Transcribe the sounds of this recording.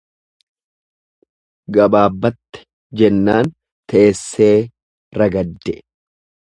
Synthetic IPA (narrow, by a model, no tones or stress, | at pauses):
ɡɐbaːbːɐt̪ːɪ̥ | d͡ʒɛnːaːn | t̪ɛʔesːe̞ː | ɾɐɡɐd̪ːɛ